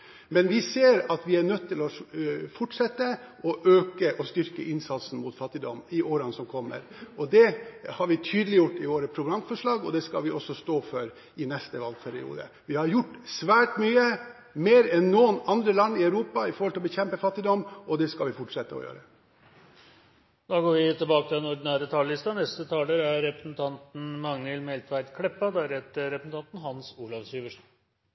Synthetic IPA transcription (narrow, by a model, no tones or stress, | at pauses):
mɛnʋɪseːɾɑt̪ʋɪæɳœt̪ːɪlɔfʊʈʂɛt̪ːəʔɔʔøːkəʔɔst̪ʏɾkə̰ʔɪnsɑt̪sn̩mʊt̪fɑt̪ːɪd̪ɔmːɪʔoːɾəɑnsɔmkʰɔmːə̰ɾɔd̪ɛhɑɾʋɪt̪ʰyːd̪əlɪjʊʈːɪʋoːɾəpʰɾʊɡɾɑmfɔʂɭɑːɡɔd̪ɛskɑ̰lʋɪʔɔsːɔst̪oːfɔɾ | ɪnɛst̪əʋɑlpʰæɾɪ̰ṵːd̪ə̰ | ʋɪhɑɾjʊʈːsʋæːʈmyːə | meːɾɛnːɔːnɑnd̪ɾəlɑnːɪæʉɾuːpɑɪfɔɾhɔlɪlɔbəçɛmpəfɑt̪ːɪd̪ɔmɔd̪ɛskɑlʋɪfɔʈʂɛt̪ːəɔ̰jø̰ːɾə | d̪̥ɑːɡoːɾʋɪt̪ʰɪlbɑːkət̪ɪlɛnɔɖɪnæːɾət̪ʰɑːləlɪst̪ɑnɛst̪ət̪ʰɑːləɾæɾːɛpɾəsn̩t̪ʰɑnt̪n̩mɑŋnɛlmɛlt̪ʰʋæɪd̪kʰɽɛpːɑd̪ææɾɛt̪əɾɛpɾəsn̩t̪ɑnt̪n̩ɦɑnsuːlɑʋsyːʋəʂn̩